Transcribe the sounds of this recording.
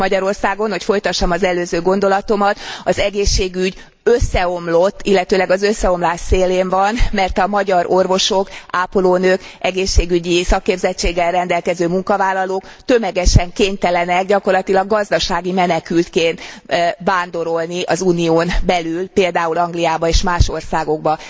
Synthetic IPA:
mɒɟɒɾo̞rsaːɡo̞nho̞cfo̞jt̪ɒʃːɒmɒzɛløːzøːɡo̞nd̪olɒt̪o̞mɒt̪ɒzɛɡeːʃːeːɡyɟ | øsːɛo̞mlot̪ːilːɛt̪øːlɛɡɒzøsːɛo̞mlaːʃseːleːɱvɒnmɛrt̪ɒmɒɟɒɾʔo̞rvo̞ʃo̞kaːpoloːnøːkɛɡeːʃːeːɡyɟisɒkːeːbzɛt͡ʃːeːɡːɛlrɛnd̪ɛlkɛzøːmuŋkɒvaːlːɒloːkt̪ø̞mɛɡɛʃɛŋkeːɲt̪ɛlɛnɛkɟɒko̞rlɒt̪ilɒɡːɒzd̪ɒʃaːɡimɛnɛkylt̪keːnt̪vaːnd̪o̞ɾo̞lniʔɒzuːnioːnbɛlylpeːld̪aːulɒŋɡlijaːbɒeːʃmaːʃo̞rsaːɡo̞ɡ̚bɒ

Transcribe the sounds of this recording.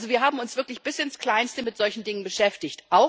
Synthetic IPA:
zoviːɐɦaːbm̩ʊnsv̥ɪɐklɪçb̥ɪsɪnskl̥aɪnstəmɪtz̥ɔlçn̩dɪŋənbəʃɛftɪçtʔaʊ

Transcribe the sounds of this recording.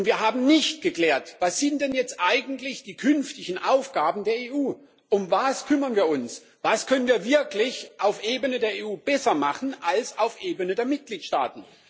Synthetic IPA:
ʊntv̥iːɐɦaːbm̩nɪçt̚ɡ̥əkl̥ɛːɐtv̥asz̥ɪntd̥ɛnjɛt͡stʔaɪɡn̩tlɪçd̥iːkʰʏnftɪçn̩ʔaʊfɡ̥aːbm̩deːɐeːʔuː | ʔʊmvaskʰʏmɐnviːɐʊns | vaskʰœnənviːɐvɪɐklɪçʔaʊfʔeːbənədeːɐeːuːb̥ɛsɐmaχn̩ʔalsaʊfʔeːbənədeːɐmɪt̚ɡ̥liːtʃta̰ːtn̩

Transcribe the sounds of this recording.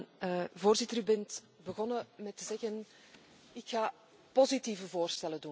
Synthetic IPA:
nəvoːrzɪtəɾybɛnt | bəɣɔnəmɛtəzɛɣən | ɪkxaː | pɔzitiːvəvoːrstɛlədun

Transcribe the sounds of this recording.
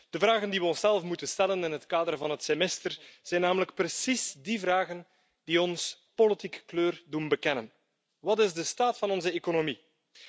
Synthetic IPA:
d̥əvraːɣəndiʋəɔnsɛlˠfmutənstɛlənɪnɦətkaːdərvɑnɦətsemɛstərz̥ɛjnːaːmələk̚prəsizdivraːɣən | d̥iɔnspolitikə̥kløːrdunbəkɛnən | ʋɑtɪzdəstaːtfɑnɔnzəekonomi

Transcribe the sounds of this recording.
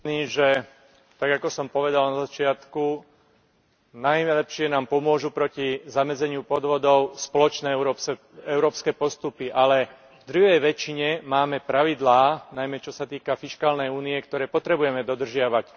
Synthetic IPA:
niːʒɛ | t̪aɡakɔsɔmpɔʋɛd̪alnazat͡ʃɪat̪ku | najlɛpʃɪɛnaːmpɔmʊɔʒupɾɔcizamɛd͡zɛɲɪupɔd̪ʋɔd̪ɔʊspɔlɔt͡ʃnɛːɛɾɔ | ɛʊɾɔːpskɛːpɔst̪upiʔalɛ | vd̪ɾuʋɛjʋɛt͡ʃiɲɛmaːmɛpɾaʋid̪laːnajmɛt͡ʃɔsat̪iːkafiʃkaːlnɛjuːniɛkt̪ɔɾɛːpɔt̪ɾɛbujɛmɛd̪ɔd̪r̩ʒɪaʋac

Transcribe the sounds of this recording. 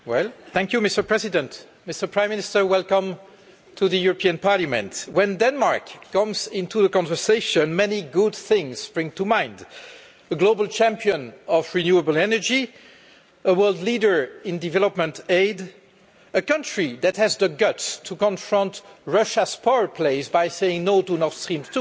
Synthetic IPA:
wɛlθæ̃ŋkjumɪstə˞pɹɛzidə̃nt | mɪstə˞pʰɹãɪ̃mɪ̃nɪstə˞wɛlkʌ̃m | tʰuðəjuɹɔpiə̃npɑɹlamɛ̰̃ntwɛ̃ndɛ̃nmaɹkʰːʌ̃mzɪ̃ntuðəkɑ̃nvə˞seɪʃə̃nmɛniɡʊd̪̚θɪ̃ŋz̥b̥ɹɪ̃ŋtumãɪ̃nd | əɡlobəlˠt͡ʃæ̃mpiə̃nɔvɹinjuəbl̩ɛnə˞d͡ʒi | əwɜ˞lˠdlidə˞ɪ̃ndivɛləpmə̃nteɪd | əkʌ̃ntɹ̥iðæthæzðəɡʌtstʰukɔ̃nfɹʌ̃ntɹʌʃəspaʊə˞pʰleɪsbaɪseɪɪ̃ŋnodunɔtstɹĩmtʰu

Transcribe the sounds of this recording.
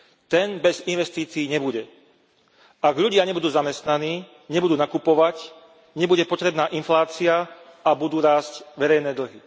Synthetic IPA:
t̪ɛnbɛzinʋɛst̪iːt͡siːɲɛbuɟɛ | aɡʎuɟɪaɲɛbud̪uːzamɛst̪naniː | ɲɛbud̪uːnakupɔʋac | ɲɛbuɟɛpɔt̪ɾɛbnaːʔinflaːt͡siaabud̪uːɾaːscʋɛɾɛjnɛːd̪l̩ɦi

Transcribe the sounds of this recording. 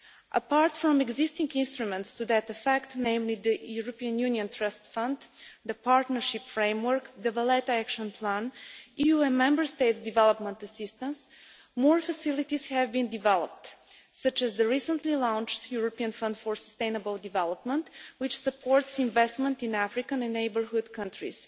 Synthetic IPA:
ʔəpaɹt̪fɹɔ̃mɛɡzɪst̪ɪ̃ŋɡɪ̃nst̪ɹumɛ̃nt̪st̪ud̪ət̪əfɛkt̪nẽɪ̃mlid̪əjuɹɔpiə̃njuniə̃nt̪ʰɹʌst̪fʌ̃nd̪d̪əpaɹt̪nəɹʃɪpfɹẽɪ̃mwəɹkd̪əvəlɛt̪əækʃə̃npʰlæ̃nijuɛ̃nmɛ̃mbə˞st̪eɪt̪sd̪ivɛlˠəpmə̃nt̪əsɪst̪ə̃ns | mɔɹfəsilˠit̪iz̥hɛvbĩnd̪ivɛlˠə̰p̚t̪ | sʌt͡ʃɛzd̪əɹisə̃nt̪lilãʊ̃nt͡ʃt̪juɹɔpiə̃nfʌ̃nd̪fɔɹsəst̪ẽɪ̃nəbəlˠd̪ivɛlˠəp̚mə̃nt̪wɪt͡ʃsəpʰɔɹt̪sĩnvɛst̪mə̃nt̪ĩnæfɾikə̃nɛ̃nːeɪbəɹhʊd̪kʰʌ̃ntɹḭs

